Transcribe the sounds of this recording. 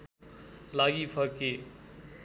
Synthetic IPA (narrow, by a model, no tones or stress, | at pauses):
laɡipʰʌɾke